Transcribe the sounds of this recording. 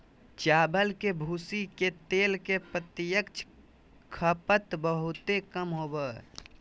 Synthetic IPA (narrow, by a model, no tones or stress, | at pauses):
t͡ʃaːbəlkebʱuːsiket̪eːlkepɾət̪ɪjəkt͡ʃʰ | kʰəpət̪bəɦʊt̪ekəmɦoːbə